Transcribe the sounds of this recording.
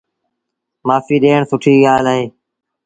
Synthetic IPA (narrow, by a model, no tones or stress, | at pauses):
maːfiːɗeːɳsʊʈʰiːɠaːlaːɦeː